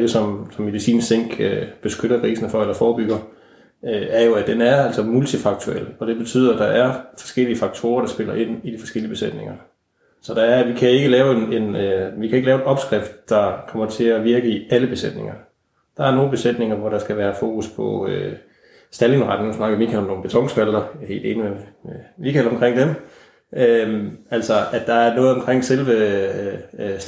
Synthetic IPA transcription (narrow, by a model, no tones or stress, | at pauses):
desɒ̽msɒ̽mːe̝ðˠisḭːnseŋ̰ɡ̥b̥e̝sɡ̥øɾ̥ɐkʰʁiːsnfɒ̽elɐfɒːb̥yɡ̥ɐ | øæɐjo̝æd̥enæɐæl̰sɒmult͡sʰifɑ̈ɡ̥̚t͡sʰuel̰ɒ̽d̥e̝b̥e̝t͡sʰy̰ð̰ˠɐæd̥ɑ̈ʔæɐfɒ̥̽sɡ̥el̰iəfɑ̈ɡ̥̚t͡sʰo̝ːɐɾ̥ɑ̈sb̥e̝lɐʔe̝n̰id̥ifɒ̽sɡ̥el̰iəb̥e̝sed̥ne̝ŋɐ | sɒ̽d̥ɑ̈æɐʋikʰæe̝ɡ̥əlɛːʊe̝nenʋikʰæe̝ɡ̥əlɛːʊe̝d̥ɒ̽b̥sɡ̥ʁɛfd̥d̥ɑ̈kʰɒ̽m̰ɐt͡sʰe̝æʋiɐɡ̥əiæləb̥e̝sed̥ne̝ŋɐ | d̥ɑ̈æɐno̝ːn̩b̥e̝sed̥ne̝ŋɐʋɒɾ̥ɑ̈sɡ̥æʋæːɐfo̝ːkʰuspʰɒ̽ø̰ | sd̥ælinʁɑd̥n̩ːusnɑ̈ɡ̥əmikʰælɒmno̝ːn̩b̥et͡sʰɒ̽ŋ̰sfʰæld̥ɐjähe̝ːld̥e̝ːnimeemikʰælɒ̽mkʰʁeŋ̰d̥em | ømæl̰sɒæd̥d̥ɑ̈æɐnɔ̽ːð̞̩ˠɒ̽mkʰʁeŋ̰selʋə | s